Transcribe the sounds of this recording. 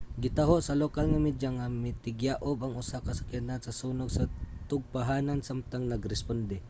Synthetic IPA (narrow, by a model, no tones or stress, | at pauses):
ɡɪt̪aɦoʔsɐlokalŋamɛd̪jaŋamɪt̪ɪɡjaʔʊbaŋʊsakɐsḁkanansɐsuːnoɡsɐt̪ʊɡ̚paɦaːnansamt̪aŋnɐɡɾɛspond̪ɛ